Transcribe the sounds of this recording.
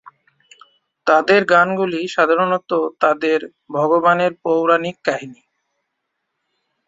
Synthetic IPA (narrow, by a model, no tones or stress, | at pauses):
t̪ad̪eɾɡanɡuliʃad̪ʱaɾonot̪ot̪ad̪eɾ | bʱɔɡobaneɾpowɾanikːaɦini